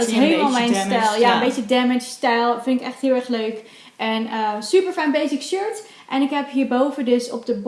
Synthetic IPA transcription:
dɔtɦejləmalˠmɛjnstɛlˠjaəmbejt͡ʃədɛmɪt͡ʃstɛjlˠfɪnɪkɛχtɦɪlˠɛɹχløɥk | ʔɛnəsypəɹfɛjnbejsɪkʃøɹt | ʔɛnɪkɦɛpɦiːɹbowvədɵsɔ̰p̚dəb

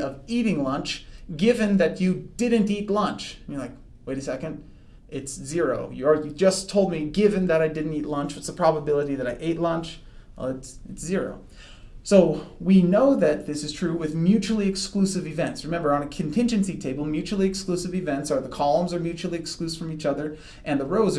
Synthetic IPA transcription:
ʌviɾɪ̃ŋlʌ̃nt͡ʃɡ̥ɪvɨ̃nðɨt͡ʃɨdɪdⁿn̩titˡlʌ̃nt͡ʃjɨlaɪk | weɪɾɨsɛkɨ̃nd | ɪtszɪɹoʊjɨid͡ʒʌstʰoʊlˠd̚miɡɪvɨ̃nðɨɾaɪdɪdⁿn̩titˡlʌ̃nt͡ʃʌtsəpʰɹ̥ɑbəbɪlˠəɾiðɨɾaɪʔeɪtˡlʌ̃nt͡ʃˠ | ɨtsɨtszɪɹo̰ʊ | soʊwinoʊðɨt̪̚ðɪsɨz̥tʰɹ̥ʉwɨðmjʉt͡ʃul̩ˠiɨksklʉsɨvɨvɛ̃ntsɹɨmɛ̃mbə˞ə̃nɨkʰɨ̃n̩tʰɪ̃nd͡ʒɨ̃nsitʰeɪbl̩ˠmjʉt͡ʃul̩ˠiɨksklʉsɨvɨvɛ̃ntsə˞ðəkʰɑlˠə̃mzə˞mjʉt͡ʃul̩ˠiɨksklʉsfɹʌ̃mit͡ʃʌðə˞ | ʔɨ̃nðəɹoʊz

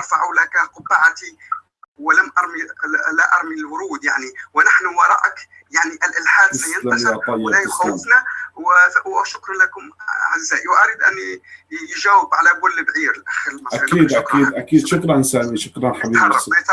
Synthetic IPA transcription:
ʔɑɾˤfaʕwlækaqʊbːaʕat̪i | wlæmʔɑɾˤmilaʔɑɾˤmilwʊɾuːd̪jaʕniwnaħnʊwɑɾˤɑ̰ʔak | jaʕniʔɪlʔɪlħaːd̪sæjənlwt̪ˤɑjːlajxawːɪfnawwʃʊkɾˤɑlækʊmʕazːæːʔiwʔaɾiːd̪ʔæ̰nːijʒæːwɪbʕalæbʊlːbʕiːɾlʔaxəɾəllmaaakiːʔakiːd̪ʔakiːd̪ʃʊklhansaːmiʃʊklanħabiːbɑrˤɑt̪

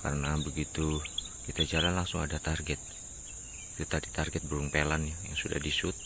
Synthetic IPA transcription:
ka̰rənabəɡit̪u | kit̪ad͡ʒalanlaŋsʊŋadat̪arɡɛt̪̚ | it̪ut̪adit̪arɡɛt̪̚bəɾʊŋpelanjajaŋsudahdisʊt̪̚

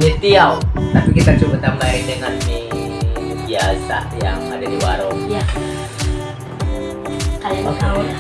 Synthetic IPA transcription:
mit̪iawt̪apikit̪at͡ʃubət̪ambaidəŋanmi | biasajaŋadadiwaɾoja | kalaaa

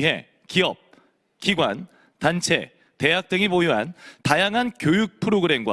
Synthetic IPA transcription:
ɦe̞̰ | kiʌ̰p̚ | kiɡwa̰n | tant͡ɕʰe̞̰ | te̞ɦak̚t͈ɯŋipojuɦantajaŋɦankjojuk̚pʰɯɾoɡɯɾe̞mɡwa̰

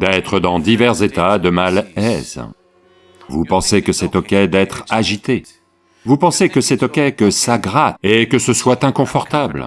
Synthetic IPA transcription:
d̪ɛt̪χəd̪ɑ̃d̪ivɛʁzet̪ad̪əmalɛz̥ | vupɑ̃sekəsɛt̪ɔkʲɛd̪ɛt̪χaʒit̪e | vupɑ̃sekəsɛt̪ɔkʲɛkəsaɡʁat̪ekəsəswat̪ɛ̃kɔ̃fɔʁt̪abl

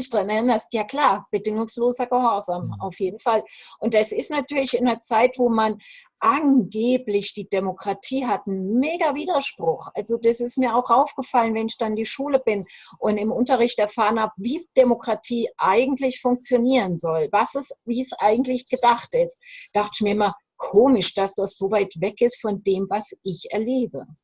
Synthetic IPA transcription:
ɪçd̥ʁanɛɪnɐstjaːkl̥aːɐb̥ədɪŋʊŋsloːzɐɡəhɔɐzamʔa̰ʊfjeːdn̩falʔʊnt̚d̥asɪstnatyːɐlɪçɪneːɐt͡saɪtv̥oːman | ʔanɡeːplɪçd̥iːd̥emokʁ̥atʰiːɦatn̩meːɡɐviːdɐʃpʁ̥ʊχʔalzodasɪstmiːɐaʊxʔaʊfɡ̥əfalənvɛnɪçd̥anndiːʃuːləbɪnʔʊntɪmʔʊntɐʁ̞ɪçtɛɐfaːʁənhaːbəviːd̥emokʁ̥atʰiːʔaɪɡŋ̩tlɪçfʊŋk̚t͡sjoniːʁənzɔlvasɛsviːsʔaɪɡŋ̩tlɪçɡ̥ədaχtɪstd̥aχtɪçmiːɐɪma | kʰoːmɪʃd̥asd̥asz̥ovaɪtvɛkɪstfɔndeːmvasʔɪçɛɐleːbə

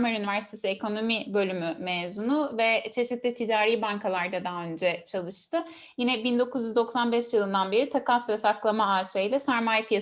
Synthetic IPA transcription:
maɾynivæɾsi̥t̪ʰe̞siekʰo̞no̞mibø̞lʲymymeːzunuvɛt͡ʃʰe̞ʃiit̪lʲit̪ʰid͡ʒaːɾiːbaŋkʰalˠaɾd̪ad̪aɦaø̞nd͡ʒɛt͡ʃʰalˠɯʃt̪ɯ | jinɛbind̪o̞kʰuzjyzd̪o̞ksanbɛʃjɯlˠɯnd̪anbe̞ɾit̪ʰakasɾasaklˠamaaːʃajlʲˠasæɾmaːjɛpʰija

